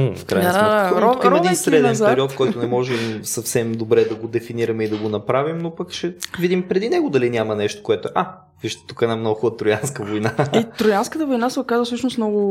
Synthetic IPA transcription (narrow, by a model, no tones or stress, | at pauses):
fkɾa̰jnsamɛatukimɐɛd̪insɾɛd̪mɛnpɛɾiɔt̪kɔjt̪onɛmɔʒɛmsɐfsɛmd̪obɾɛd̪ɐɡod̪ɛfiniɾɐmɛid̪ɐɡonɐpɾavimnopɐkʃɛvid̪impɾɛd̪inɛɡʊd̪ɐlinʲamɐnɛʃt̪o̥koɛt̪ʊɛʔa | viʃt̪ɛ̥t̪ukɛd̪namnoxʊt̪ɾʊjanskəvojnaiɾʊjanskət̪əvojnasɛʊkazvəsɤʃnʊsmnɔɡʊ